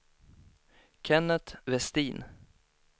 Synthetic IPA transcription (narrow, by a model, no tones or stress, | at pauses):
kʰɛnət̪vɛst̪iːn